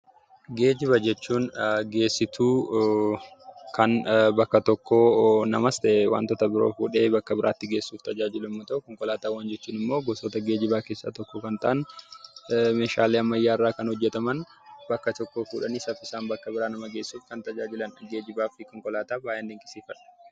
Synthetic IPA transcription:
ɡe̞ːd͡ʒɪβɐd͡ʒɛt͡ʃːuːnɡe̞ːsːɪt̪uː | kʰɐnbɐkːɐt̪ɔkːoːnɐmɐst̪ɐʔɛwa̰ːnt̪ɔt̪ɐbɪɾo̰ːfuːᶑe̞ːbɐkːɐbɪɾʔa̰ːt̪ːɪɡe̞ːsːuːft̪ɐd͡ʒaːd͡ʒɪlʊmːɔt̪ɐʔʊkɔŋkɔlaːt̪aːwaːnd͡ʒɛt͡ʃːuːnɪmːo̞ːɡɔsoːt̪ɐɡe̞ːd͡ʒɪbaːkeːsːa̰ːt̪ɔkːɔkɐnt̪ɐ̰ʔɐn | me̞ːʃaːleːɐmːɐjːaːɪrːaːkɐnhɔd͡ʒːɛt̪ɐmɐn | bɐkːɐt̪ɔkːoːkuːᶑɐniːsɐfɪsaːnbɐkːɐbɪɾaːnɐmɐɡe̞ːsːuːfkɐnt̪ɐd͡ʒaːd͡ʒɪlɐnɡe̞ːd͡ʒɪbaːfɪkɔŋkɔlaːt̪aːbaːjʔeːnd̪eŋkʼɪsiːfɐᶑɐ̥

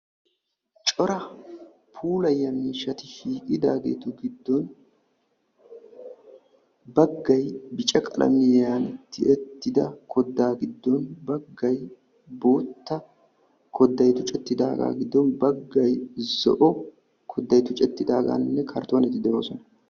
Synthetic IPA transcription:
t͡ʃʼɔɾɐ | pʰuːlɐjːɐmiːʃːɐt̪ɪhiːkʼɪd̪aːɡḛːt̪ʊɡɪd̪ːɔn | bɐɡːɐjbɪt͡ʃʼɐkʼɐlʔɐ̰mɪjɛjaːnɛt̪ːɪʔɛt̪ːɪd̪ɐkʰɔd̪ːaːɡɪd̪ːɔnbɐɡːɐj | bo̞ːt̪ːɐ | kʰɔd̪ːɐjt̪ʊt͡ʃʼɛt̪ːɪd̪aːɡa̰ːɡɪd̪ːɔnbɐɡːɐjzɔ̰ʔɔ | kʰɔd̪ːɐjt̪ʊt͡ʃʼɛt̪ːɪd̪aːɡa̰ːnnːɛkʰɐɾt̪oːnɛt̪ːɪd̪ɛoːsɔnɐ

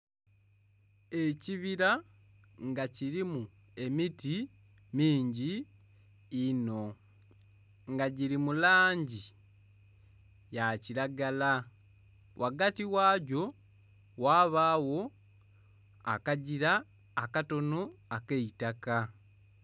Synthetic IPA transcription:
e̞ciβiɾa | ŋɡaciɾimu | e̞miti | miːɲɟiː | no̞ | ŋɡaɟiɾimulaːɲɟi | jaciɾaɡala | wʔaɡatiwaːɟo̞ | waːβaːwo̞ | a̰kaɟiɾaː | kato̞noakeitaka

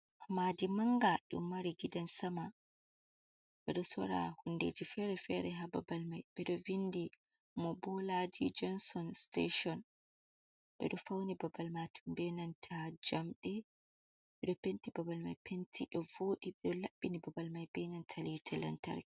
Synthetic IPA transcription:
hmadimaŋɡaɗṵmːaɾiɡidansama | ɓɛɗɔsɔ̰ɾa̰hunːdḛːd͡ʒifɛɾɛfɛɾɛɦaba̰balmajɓɛɗɔvinːdi | mɔbɔlad͡ʒid͡ʒɔnsɔnstḛʃɔn | ɓɛ̰ɗɔfawnibabalmatʰumbɛnantʰad͡ʒamɗɛ | ɓɛɗɔpentibabalma̰jpʰentʰiɗɔvoːɗiɓɛɗɔlaɓːinibabalmajbɛnantʰaliwitʰɛlɛ̰nta̰ɾ

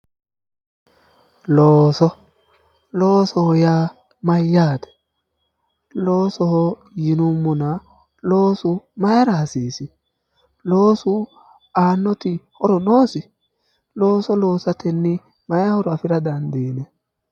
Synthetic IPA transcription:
loːsɔ | loːsɔhɔjaː | mɐjːaːt̪ɛ̥ | loːsɔhɔ | jɪnʊmːʊnɐ | lo̞ːsʊmɐjaɾaːsiːsɪ | loːsʊ | aːnːɔt̪ɪhɔɾɔnoːsɪ | lo̞ːsɔlo̞ːsɐt̪ɛnːɪ | mɐjahɔɾɔɐfɪɾɐd̪ɐnd̪iːnɛ

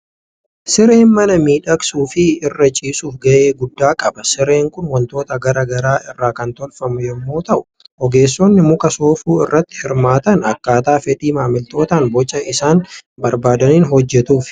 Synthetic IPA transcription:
sɪɾeːnmɐnɐmiːᶑɐksuːfɪɪrːɐt͡ʃʼiːsuːfɡɐʔeːɡʊd̪ːaːkʼɐbɐsɪɾe̞ːŋkʊnwɐnt̪o̞ːt̪ɐɡɐɾɐɡɐɾaːɪrːaːkɐnt̪ɔlfɐmʊjɛmːo̞ːt̪ɐʔʊ̥ | ʔɔɡe̞ːsːɔnːɪmʊkʼɐsoːfuːɪ̰rːɐt̪ːɪ̥hɪɾmaːt̪ɐnɐkːaːt̪aːfɛᶑiːmaːmɪlt̪o̞ːt̪ɐnbɔt͡ʃʼːɐɪsaːnbɐɾbaːd̪ɐniːnɦɔd͡ʒːɛt̪uːf

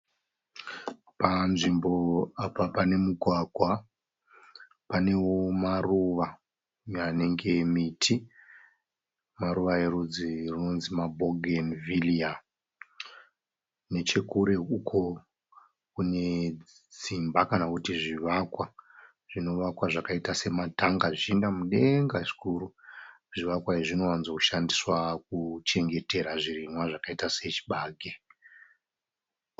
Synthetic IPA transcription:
panʐimbo̞apapane̞muɡʱwaɡʱwa | pane̞womaruʋa | jane̞ŋɡe̞mitʰi | maɾuʋaeɾud͡zirino̞nzimabʱoɡʱenvilia | ne̞t͡ʃe̞kuɾe̞ukʰo | kune̞ | d͡zimbakanakutiʐiʋakwa | ʐ̥ino̞ʋakwaʐakaitase̞matʰaŋɡaʐiʃindamuɗe̞ŋɡaʐikuɾu | ʐ̥iʋakwaiʐino̞wanzoku̥ʃandiswak̚ut͡ʃe̞ŋɡe̞te̞ɾaʐirimwaʐakaitase̞t͡ʃi̥ɓaːɡʱe

